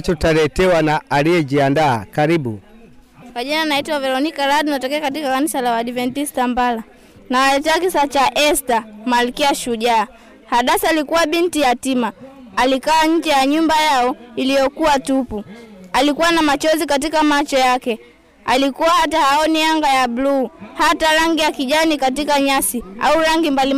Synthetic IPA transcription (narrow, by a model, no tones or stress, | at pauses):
t͡ʃɔtalɛtɛwanaalijɛd͡ʒiandaːkaɾiɓu | kwaʄinanaitwavɛɾɔnikaɾaɗunatɔkɛakat̬ikakanisalawaɗivɛntistambala | nawalɛtɛakisat͡ʃaʔɛstamalkiaʃuʄaː | haɗasalikuwaɓintijatimaːlikawaɲ̩d͡ʒɛjaɲumbajaɔilijɔkuwatupualikuwanamat͡ʃɔzikat̬ikamat͡ʃɔjakɛ | alikuwahatahaɔnijaŋɡajabluːhataɾaŋɡijakiʄanikatikaɲasia̰uɾaŋɡimbali